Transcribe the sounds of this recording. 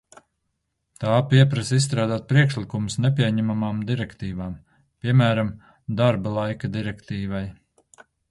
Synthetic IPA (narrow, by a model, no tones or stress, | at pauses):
t̪aːpiɛpɾasisst̪ɾaːd̪aːt̪̚pɾiɛkʃlˠikumusnɛp̬ʲiɛɲæmamaːmd̪iɾɛkt̪iːvaːm | piɛmæːɾam | d̪aɾbalˠajkad̪iɾɛkt̪iːvaj